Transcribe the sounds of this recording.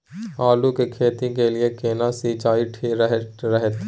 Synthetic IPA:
aːlukekʰeːt̪ĩkelɪekeːnasit͡ʃaːiʈʰeɾɦɾɛɦət̪

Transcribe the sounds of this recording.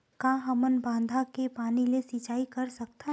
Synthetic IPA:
kãːɦɐmənbãːnd̪ʱakepaːnilesit͡ʃaːikɐɾsɐk̚t̪aɦ

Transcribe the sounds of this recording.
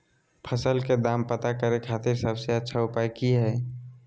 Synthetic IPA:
pʰəsəlked̪aːmpət̪akəɾekʰaːt̪ɪɾsəbseətːʃʰaʊpaːjkiɦɛː

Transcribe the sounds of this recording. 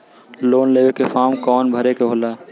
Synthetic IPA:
loːnleːʋekefʰaːmkɔːnbʱəɾekeɦoːlaː

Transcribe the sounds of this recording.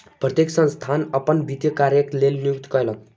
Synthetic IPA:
prʌt̪jeksʌ̃nst̪ʰanʌpʌnbid̪jʌkaɾjʌklelnjukt̪kʌjlʌ

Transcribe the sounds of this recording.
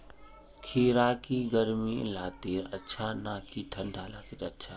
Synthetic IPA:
kʰeːɾaːkiːɡɐɾmilaːt̪eːɾɐtːʃʰanaːkʰiʈʰɐnɖʱaːlaːsɪɗɐtːʃʰaː

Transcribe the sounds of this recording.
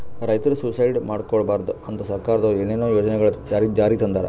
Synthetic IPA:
ɾɐjt̪ɐɾususɐjɖmaːɖkoɭbaːɾd̪uɐnt̪ɐsɐɾkaːɾɐd̪oeːnenoːjo̞ːd͡ʒɐnɛɡɐɭɐd͡ʒaːɾid͡ʒaːɾit̪ɐnd̪aːɾe

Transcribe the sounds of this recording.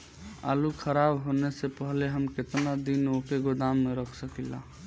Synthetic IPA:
a̰lukʰəɾabɦonesepəɦleɦəmket̪nad̪inokeɡoɖ̪amːeɾəkʰsəkila̰

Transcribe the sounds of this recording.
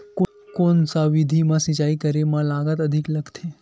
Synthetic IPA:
k | konsaʋid̪ʱimãsit͡ʃaikəɾemãlaɡət̪əd̪ʱikləɡt̪ʰe

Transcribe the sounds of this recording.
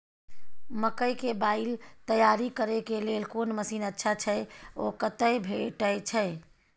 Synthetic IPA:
məkəjkebaɪlt̪əjaɾikəɾekelelkonməsiːnətːʃʰat͡ʃʰəokət̪əjbʱeʈəjt͡ʃʰəɪ

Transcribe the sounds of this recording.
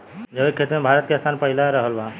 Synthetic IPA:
d͡ʒəbekʰːet̪mẽbʱaːɾət̪keəst̪ʰaːnpəɦɪlaɾəɦəlba

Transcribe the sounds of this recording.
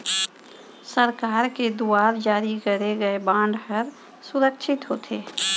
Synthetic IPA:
səɾkaːɾked̪uaːɾd͡ʒaːɾikəɾeɡəebãːɳɖɦəɾ | sʊɾəkʃʰɪt̪ɦoːt̪ʰeː

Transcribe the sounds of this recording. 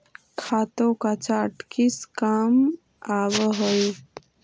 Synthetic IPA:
kʰat̪okat͡ʃaʈkiskam | abəɦəj

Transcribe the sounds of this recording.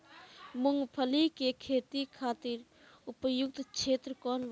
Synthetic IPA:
mʊŋɡpʰəlikekʰeːt̪ikʰaːt̪ɪɾ | ʊpəjʊk̚t̪t͡ʃʰeːt̪ɾəkɔːnʋ

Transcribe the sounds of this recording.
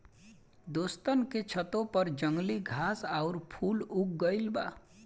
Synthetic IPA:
d̪ost̪ənket͡ʃʰʌt̪opʌɾd͡ʒʌŋɡliɡʱasaʊɾpʰuluk̚ɡəjlba̰

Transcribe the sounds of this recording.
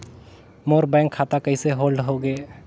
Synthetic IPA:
moːɾbɛ̃ːŋkʰːaːt̪akəiseɦoːlɖɦoɡeː

